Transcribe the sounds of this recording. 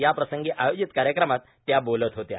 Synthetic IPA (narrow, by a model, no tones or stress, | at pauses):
japɾəsəŋɡiːʔajod͡ʑit̪kaɾjəkɾəmat̪ːjabolət̪ɦot̪ja̰